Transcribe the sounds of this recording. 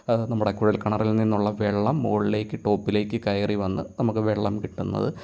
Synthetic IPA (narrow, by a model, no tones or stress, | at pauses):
ɐnɐmːuɽekuɻɐlkɐɳɐrilninːuɭːɐʋeɭːɐmːoːɭile̞ːkːɨʈo̞ːpːile̞ːkːɨkɐjɐriʋɐnːɨnɐmukːɨʋe̞ɭːɐmkiʈːunːɐ̰ðɨ̰